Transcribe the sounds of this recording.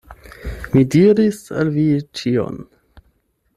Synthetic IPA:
midiɾisa̰lvit͡ʃio̰n

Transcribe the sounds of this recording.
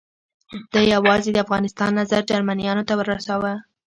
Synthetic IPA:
d̪̥əjawɑzed̪əafɣɑnɪst̪ɑnːazaɾd͡ʒaɾmanijɑnot̪awəɾːasawə

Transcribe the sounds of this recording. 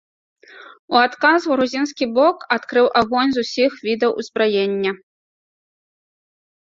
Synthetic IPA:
uat̪kazuɾuzʲinskʲibɔkat̪kɾɨwʔaɣɔnʲzusʲixvʲid̪ɐwʔṵzbɾajenʲːɐ

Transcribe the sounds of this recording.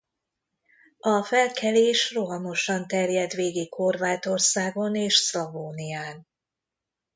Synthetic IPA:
ɒfɛlkʰɛleːʃroɦɒmo̞ʃɒnt̪ɛrjɛd̪ʋeːɡikho̞rvaːt̪o̞rsaːɡo̞neːʃslɔvoːnijaːn

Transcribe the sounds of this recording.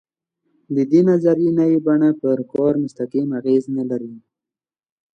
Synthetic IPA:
d̪əd̪enazaɾinawibaɳapəɾkɑɾmʊst̪aqimaɣeznalaɾi

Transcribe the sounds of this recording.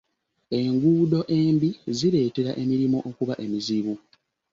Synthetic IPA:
e̞ŋɡuːdo̞ʔe̞ːmbiziɾe̞ːte̞ɾaʔe̞miɾimo̞ʔokuβaʔe̞miziβu

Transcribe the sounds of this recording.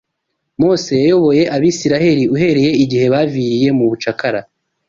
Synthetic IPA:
mo̞ːse̞jajo̞βo̞je̞ʔaβisiɾahe̞ɾiuɦe̞ɾe̞je̞iɟihe̞βaːviɾije̞muβut͡ʃakaɾa

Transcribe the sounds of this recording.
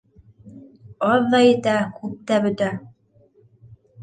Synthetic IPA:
ɑðːɑjɘ̆t̪ækʉp̚t̪æbɵ̆t̪æ

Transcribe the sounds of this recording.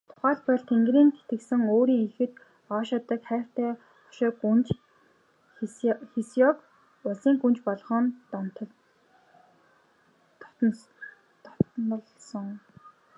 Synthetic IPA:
t̪ʰʊ̥χæːɮpɔɮt̪ʰeŋɡriːnt̪ʰe̥t̪ɘ̆ksɘ̆ŋoːɾiːŋexɘ̆t̪ | ɔːʃat̪ə̆kχæːr̥t̪æː | χɔ̥ʃɔːkunt͡ɕ | xesjɔk | ʊɮsiːŋɡunt͡ɕpɔɮχɞ̆nt̪nt̪ | t̪n̆ɮsə̆ŋ

